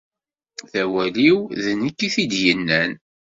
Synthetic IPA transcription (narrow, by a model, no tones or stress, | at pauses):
θæwæliwðənəkːiθid̪jənːæn